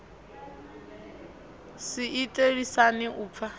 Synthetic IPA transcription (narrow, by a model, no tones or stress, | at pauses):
siitʼeɾisanɪʔuːp̪fʰa